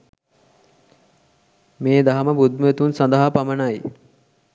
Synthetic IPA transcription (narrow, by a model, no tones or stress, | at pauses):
meːd̪aɦɐməbud̪məet̪unsɐnd̪əɦapamənaj